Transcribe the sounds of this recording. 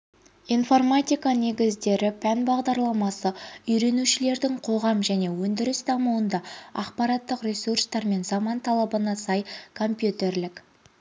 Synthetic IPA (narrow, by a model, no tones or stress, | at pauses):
ijnfo̞rmat̪ʲijkɑne̞ɡʲɪzd̪e̞ɾɪpʰænbɑʁd̪ɑɾlˠɑmɑsəʏjɾe̞nuʃɪle̞ɾd̪ɪɴqʰo̞ʁɑmʒæne̞wɵnd̪ɪɾɪsd̪ɑmuwənd̪ɑɑ̰qpɑɾɑt̪ːəqrʲesurst̪ɑɾme̞nzɑmɑnt̪ʰɑlˠɑbənɑsɑjkʰo̞mpjut̪e̞rlɪk